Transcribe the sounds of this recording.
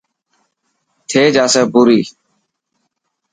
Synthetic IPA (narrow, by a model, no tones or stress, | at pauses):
t̪ʰeːd͡ʒaːsɛːbuːɾiː